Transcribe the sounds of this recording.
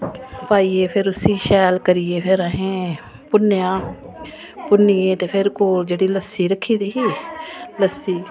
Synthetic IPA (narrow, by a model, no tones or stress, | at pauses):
paːiːeːpʰɪɾʊsiːʃɛːlkəɾieːpʰɪɾəɦẽː | pʊnjãː | pʊniːẽːt̪eːpʰɪɾkoːld͡ʒeːɽiːləsiːɾəkʰːiːd̪iːɦiːləsːiː